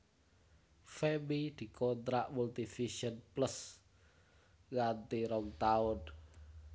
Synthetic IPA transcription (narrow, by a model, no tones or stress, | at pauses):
femid̪̥i̤kɔnt̪ɾaʔmult̪ifiʃɔnpləs | ɣant̪iɾɔŋt̪aʊn